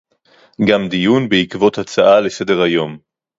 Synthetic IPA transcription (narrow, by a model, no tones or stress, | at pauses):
ɡamd̪ijunbeikvo̞t̪hat͡saʔale̞se̞d̪e̞ʁhajo̞m